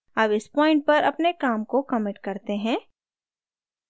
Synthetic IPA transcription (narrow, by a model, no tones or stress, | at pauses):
ɐbɪspɔ̃ːɪ̃ɳʈ̚pɐɾɐpnekaːmkokɐmɪʈkɐɾt̪eɦɛ̃ː